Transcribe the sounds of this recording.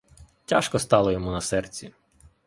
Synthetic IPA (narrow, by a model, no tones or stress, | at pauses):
tʲaʃkɔst̪ɑlˠɔjɔmunɐsɛrt͡sʲi